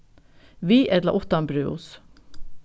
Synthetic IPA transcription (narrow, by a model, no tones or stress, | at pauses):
ʋiːʔɛd̪lɑ̰ʔɔt̪ɑnbɾøːʊ̰s